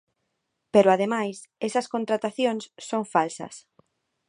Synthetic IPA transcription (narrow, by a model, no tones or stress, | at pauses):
peɾʊaðemajs | ɛsɐskont̪ɾat̪aθjõŋsːoŋfalsɐ̰s